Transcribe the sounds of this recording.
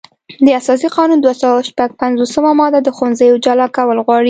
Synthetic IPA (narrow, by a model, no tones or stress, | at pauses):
d̪əasɑs̬iqɑnund̪wasawawʃpaɡ̚panzosəmamɑd̪ad̪əxonzəjod͡ʒalɑkawəlɣwɑɽi